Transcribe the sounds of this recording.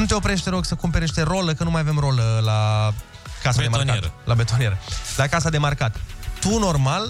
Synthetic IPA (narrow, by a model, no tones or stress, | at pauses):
nut̪e̞opɾe̞ʃ̬t̪eɾoɡsəkumpe̞ɾeʃt̪eɾo̞ləkənumajave̞mro̞ləla | kasadd̪emanat̪lʔabet̪onie̞ɾəlakasad̪e̞markat̪ːuno̞rmal